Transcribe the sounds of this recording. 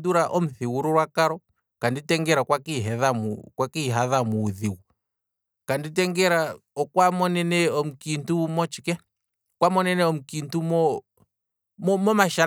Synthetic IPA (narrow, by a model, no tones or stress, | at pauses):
duɾaʔɔm̩θiwuɾuɾwakaɾɔ | kanditɛŋɡɛɾakwakiɦɛðamṵkwakiɦaðamuːðiɣu | kandit̬ɛŋɡɛɾaɔkwamɔnɛnɛɔm̩kintumɔt͡ʃikɛ | kwamɔnɛnɛɔm̩kintumɔ | mɔmɔmaʃa